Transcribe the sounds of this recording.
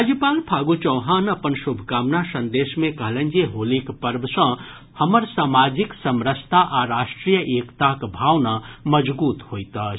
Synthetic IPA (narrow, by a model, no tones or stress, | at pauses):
ɾad͡ʒjəpaːlpʰaːɡut͡ʃəːɦanəpənsubʱkaːmnasə̃nd̪eːʃmẽkəɦlẽnd͡ʒeɦolikpəɾbʱsə̃ | həməɾsaːmad͡ʒɪksəmɾəst̪ʰaʔaɾaːʃʈɾijəʔeːkt̪akbʱaːʋnaməd͡ʒbuːt̪hoːjt̪a